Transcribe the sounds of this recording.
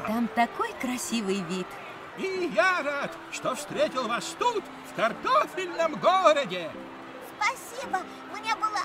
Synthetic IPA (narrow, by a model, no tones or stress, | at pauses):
t̪amt̪ɐko̞jkɾɐsʲivɨjvʲit̪ | ijaɾat̪ | ʂt̪ofst̪ɾʲetʲɪlˠvast̪ut̪ʲ | fkɐrt̪ofʲɪlʲnəmɡoɾədʲɪ | spɐsʲibə | mnʲebɨlˠə